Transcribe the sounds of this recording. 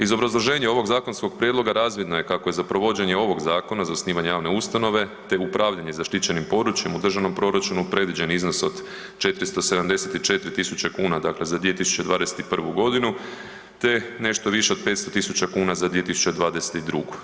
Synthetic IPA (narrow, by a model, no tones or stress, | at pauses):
izo̞bɾazlˠo̞ʒe̞ːɲeo̞ʋo̞ɡzaːko̞nsko̞ɡ̚pɾjed̪lˠo̞ɡaɾaːzʋjed̪no̞je̞kakoje̞zapɾo̞ʋo̞d͡ʑeɲe̞o̞ʋo̞ɡzaːko̞nazaosniːʋaɲejaːʋne̞ust̪ano̞ʋe̞t̪e̞upɾʔaːʋʎaɲe̞zaʃt̪it͡ɕe̞nimpo̞d̪ɾut͡ʃje̞mud̪r̩ʒaʋno̞mpɾo̞ɾat͡ʃunupɾe̞d̪ʋid͡ʑe̞nizno̞so̞d̪ | t͡ʃe̞t̪ɾist̪o̞se̞d̪amd̪e̞set̪it͡ʃe̞t̪ɾit̪isut͡ɕekuːnad̪akle̞zad̪ʋije̞t̪isu̥t͡ɕe̞d̪ʋaːd̪e̞set̪ipr̩ʋuɡo̞d̪inu | t̪e̞ne̞ʃt̪o̞ʋiʃeo̞d̪̚pe̞t̪st̪o̞t̪isut͡ɕakuːnazad̪ʋije̞t̪isu̥t͡ɕe̞d̪ʋaːd̪e̞se̥t̪id̪ɾuɡu